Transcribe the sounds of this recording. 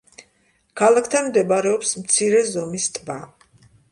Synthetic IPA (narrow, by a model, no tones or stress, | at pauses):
kʰalakʰt̪ʰanmd̪ɛbaɾɛɔpsmt̪sʰiɾɛzɔmist̪ʼba